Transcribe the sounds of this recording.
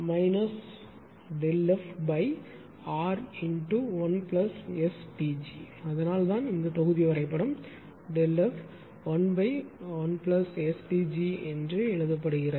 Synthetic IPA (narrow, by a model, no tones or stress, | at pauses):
mɐɪnɐs | ɖɛlːɐfbɐɪ | aːɾɪnʈuʋɐnplɐsɛsʈiːd͡ʒi | ɐðɐnaːlt̪ãːnɪnd̪ɐp̪ɐɣɯðɪjɐʋɐɾɐɪpːɐɽɯm | ɖɛlːɐf | ʋɐnbɐɪʋɐnplɐsɛsʈid͡ʒiɛndrɯɛɻɯðɐp̬ːɐɽɯɣɪɾɐ